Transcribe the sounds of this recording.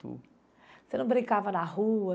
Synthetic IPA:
t̪ṵ | senɐ̃bɾĩŋkavɐnɐɦuɐ

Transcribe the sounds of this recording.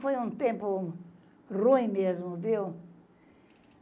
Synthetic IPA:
fojũt̪ẽmpʊ | rũĩmezmʊvew

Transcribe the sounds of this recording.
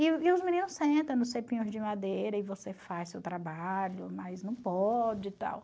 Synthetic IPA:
ɪɪʊzmĩnĩnʊsẽnt̪ɐ̃w̃nʊsepĩɲʊzd͡ʒɪmad̪ejɾɐɪvosefajssewt̪ɾabaʎʊmɐjznɐ̃w̃pɔd͡ʒɪt̪a̰w

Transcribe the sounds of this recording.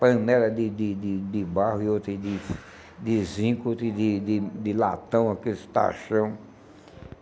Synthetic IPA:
pɐ̃nɛlɐd̪ɪd̪ɪd̪ɪd̪ɪbahʊiot̪ɾẽd̪ɪ | d̪ɪzĩkot̪ɾẽd̪ɪd̪ɪd̪ɪla̰t̪ɐ̃w̃akest̪a̰ʃɐ̃w̃

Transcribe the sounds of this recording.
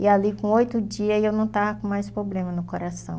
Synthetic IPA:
ɪalikõojt̪ʊd͡ʒiɐewnɐ̃w̃t̪avɐkõmajspɾoblẽmɐnʊkoɾasɐ̰̃w̃

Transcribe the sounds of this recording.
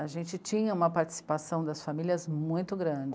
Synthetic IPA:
aʒẽnt͡ʃɪt͡ʃĩɲɐũmɐpaɾt͡ʃɪ̥si̥pasɐ̃w̃d̪ɐsfamiliɐzmũj̃t̪ʊɡɾɐ̃d͡ʒɪ

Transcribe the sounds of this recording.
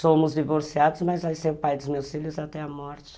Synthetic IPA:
sõmʊzd͡ʒivoɾsiad̪ʊzmazvajseɾpajd̪ʊzmewsfiʎʊzat̪ɛamɔɾt͡ʃɪ̥

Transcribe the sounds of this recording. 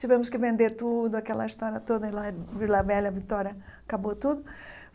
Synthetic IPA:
t͡ʃivẽmʊskɪvẽnd̪eɾt̪ud̪ʊɐkɛlɐist̪ɔɾjɐt̪od̪ɐilaviɾlavɛlɐvit̪ɔɾjɐkabot̪ud̪ʊ

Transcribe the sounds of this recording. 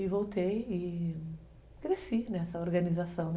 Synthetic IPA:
ɪvowt̪ejɪ | kɾesinɛsɐoɾɡɐ̃nizasɐ̃w̪̃

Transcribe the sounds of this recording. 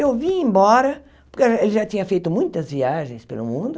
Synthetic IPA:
ewviẽmbɔɾɐ | puɾkelˠʒat̪ĩɲɐfejt̪umũj̃t̪ɐzviaʒẽj̃spelṵmũnd̪u

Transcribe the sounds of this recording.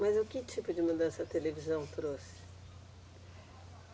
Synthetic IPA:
mɐzʊkɪt͡ʃipʊd͡ʒɪmud̪ɐ̃sɐt̪elevizɐ̃w̃t̪ɾosɪ̥

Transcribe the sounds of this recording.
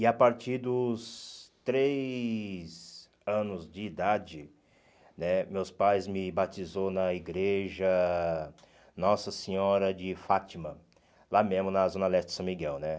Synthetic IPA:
ɪapaɾt͡ʃiɾd̪ʊst̪ɾe | z | ɐ̃nʊzd͡ʒɪːd̪ad͡ʒɪ | nɛmewspajzmɪbat͡ʃizonɐiɡɾeʒɐ | nɔsɐsẽɲɔɾɐd͡ʒɪfat͡ʃimɐ | lamẽzmʊnɐzõnalɛst͡ʃɪ̥sɐ̃miɡɛwnɛ

